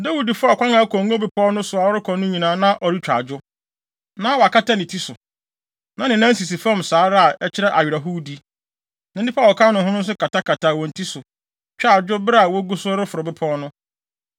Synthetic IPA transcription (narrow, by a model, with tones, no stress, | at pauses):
da˦wu˨di˨fʊ˦a˨kʷã˦nã˨˦kʰɔ̃˨ŋɔ˦bɪ˨pʰɔ˦nʊ̃˦sʊ˨a˨ɔ˦ɾɪ˦kʰɔ˨nʊ̃˦ɲĩ˨nãː˨˦nã˦ʔɔ˨ɾi˦t͡ɕᶣa̰˨d͡ʑᶣʊ˦ | nã˦wɔ˨a˨ka˦tʰa˦nɪ̃˨tʰi˦sʊ˨ | nã˨˦nɪ̃˨nã˦n˦s̬i˨s̬i˨fã˦msaː˨˦ɾa˦a˨ɛ˦t͡ɕʰɪ˦ɾɛ˦ʔa˨ɥɪ˨ɾa˨ɦʊ˦di˦ | nã˨˦i˦pʰa˦˨wɔ˨kʰã˦nʊ̃˨ɦʊ̃˦nʊ̃˦n̩˦s̬ʊ˦kʰa˨tʰa˦tkʰa˨ta˨wɔ̃˨n̩˨tʰi˦sʊ˨ | t͡ɕᶣa˨d͡ʑʊ˦bɾa˨wɔ˦ɡu˦sʊ˦ɔ˦ɾɪ˦fʊ˨ɾɔ˨bɪ˦pʰɔː˦nʊ̃˦